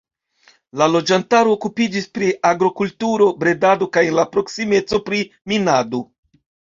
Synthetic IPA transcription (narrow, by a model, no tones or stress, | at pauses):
lalo̞d͡ʒantaɾoːkupid͡ʒispɾiʔaɡɾo̞kultuɾo̞bɾe̞dado̞kajenlapɾo̞ksime̞t͡so̞pɾi | minado̞